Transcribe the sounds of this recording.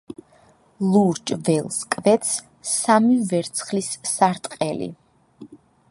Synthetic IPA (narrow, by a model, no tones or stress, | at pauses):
lˠuɾt͡ʃʼvɛlˠskʼvɛt̪s | samivɛɾt̪sʰχlisːaɾt̪ʼqʼɛlḭ